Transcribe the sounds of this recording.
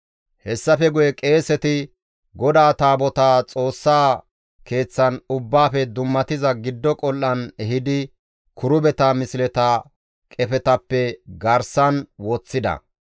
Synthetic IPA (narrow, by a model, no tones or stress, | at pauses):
hɛsːɐfɛɡʊjɛkʼe̞ːsɛt̪ɪ | ɡɔd̪aːt̪aːbɔt̪aːt͡sʼo̞ːsːaː | ke̞ːt͡sːɐnʊbːaːfɛd̪ʊmːɐt̪ɪzɐɡɪd̪ːɔkʼɔlːɐnɛɦɪd̪ɪ | kʊɾʊbɛt̪amɪsɪlɛt̪a | kʼɛfɛt̪ɐpːɛɡɐɾsɐnwɔt͡sːɪd̪ɐ̰